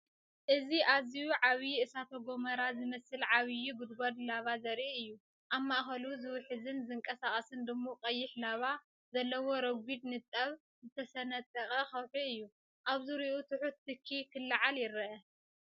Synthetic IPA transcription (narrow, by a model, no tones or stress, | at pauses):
ʔɨziʔazijuʕaβjiɨsat̪ʰɐɡo̞mɐɾazɨmɐsɨlʕaβɨjubɨd̪ɡod̪laβazɐɾiɨjːu | ʔaβmaʔxɐluzɨwħɨzɨnzɨŋkʼɐsaχʼɐsɨnd̪ɨmːoqʼɐjːɪħlaβa | zɐlːɐwo̞ɾɐɡʷid̪nɨt̪ʼːɐβ | zɨt̪ʰɐsɐnɐt̪ʼːɐχʼɐxɐwħiɨjːu | ʔaβzɨɾiʔut̪ʰɨħut̪ːɨkʰːikʰɨlːaʕaljɪɾɐʔɐ